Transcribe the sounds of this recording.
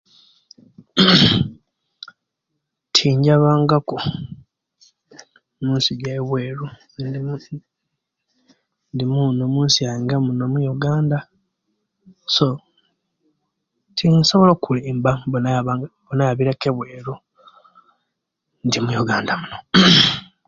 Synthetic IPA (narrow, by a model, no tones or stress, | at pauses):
tʰiɲɟaβaːŋɡako | muːnsiɟeβwe̞ːɾu | ndimunomuːnsiajiːŋɡamunomujoɡaːnda | so̞ | tʰinso̞βolokʰulimbabonaɡbonajaβiɾakeβwe̞ːɾu | ndimujoɡaːndamuno